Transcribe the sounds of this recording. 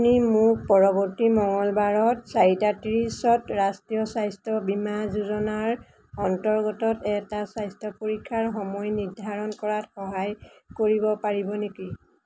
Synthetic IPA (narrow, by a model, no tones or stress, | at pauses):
nimʊk̚pɔɹɔbɔɹtimɔŋɔlbaɹɔtsaɹitatɹisɔtɹastijɔsajstɔbimazuzɔnaɹ | ɔntɔɹɡɔtɔtɛtasajstʰɔpoɹikʰːaɹxɔmɔjniɹdʱaɹɔnkɔɹatxɔɦajkoɹibɔpaɹibɔneki